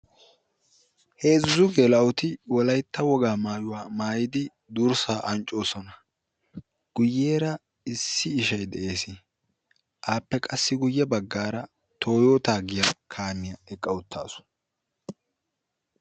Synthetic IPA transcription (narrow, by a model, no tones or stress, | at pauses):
he̞ːzʊzʊɡelɐʔʊt̪ɪwɔlɐjt̪ːɐwɔɡaːmaːjʊwaːmaːjɪd̪ɪ | d̪ʊɾsaːʔɐnt͡ʃʼːo̞ːsɔnɐ | ɡ̥ʊjːeːɾɐ | ɪsːɪːʃɐjd̪ɛʔe̞ːsɪ | ʔaːpːɛkʼɐsːɪɡʊjːɛbɐɡːaːɾɐ | t̪ʰo̞ːjoːt̪aːɡɪjakʰaːmɪjɐɛkʼːɐʊt̪ʰːa̰ːsʊ̥